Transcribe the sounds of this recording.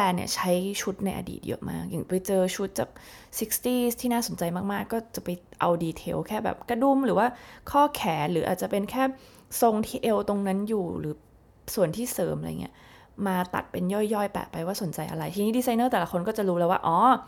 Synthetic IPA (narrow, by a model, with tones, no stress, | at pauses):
pɛː˧nḭ˧˩ɐt͡ɕʰa˦˥jt͡ɕʰu˦˥t̪̚na˧jʔa̰˧dḭː˨˩t̪̚jɤ̰˦˥˩mʔa̰ː˥˩k̚ja˨˩ŋpa˧jt͡ɕɤː˧t͡ɕʰu˦˥t̪̚t͡ɕaː˨˩k̚si˦˥k̚st̪iː˥˩st̪ʰiː˥naː˥˩so˩˦nt͡ɕa˧jmaː˥˩k̚maː˥˩kːɔː˥˩t͡ɕa˨˩pa˧jʔa̰˧wdiː˧t̪ʰḛː˧wkʰɛː˥˩bɛ̰ː˨˩p̚ka˧du˥˩mɾɯː˩˦waː˥˩kʰɔː˥˩kʰɛː˩˦ɾɯː˩˦ʔa̰˨˩t̪t͡ɕa˨˩pe˧nkʰɛː˥˩ | so˧ŋt̪ʰiː˧ʔe˧wt̪o˧ŋna˦˥njuː˨˩ɾɯ̰ː˩˦ | su˨˩ənt̪ʰiː˥˩sɤː˩˦mʔa̰˧˨˩ŋḭ˦˥ɐ | maː˧t̪a̰˨˩t̪̚pe˧njɔː˥˩jːɔː˥˩jpɛ̰ː˨˩pa˧jwaː˥˩so˩˦nt͡ɕa˧jʔa̰˧ɾa˧jt̪ʰiː˧ni˦˥diː˧sa˧jnɤː˥˩t̪ɛː˨˩la˦˥kʰo˧nkɔː˥˩t͡ɕa˨˩ɾuː˦˥lɛː˦˥waː˥˩ʔɔː˨˩